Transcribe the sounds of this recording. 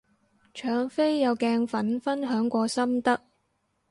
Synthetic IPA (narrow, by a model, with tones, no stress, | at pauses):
t͡ʃʰœː˨ŋfe˥jːɐ˨˧wkɛː˧ŋfɐ˨˥nfɐ˥nɦœː˨˥ŋkʷɔː˧sɐ˥mt̪ɐ˥k̚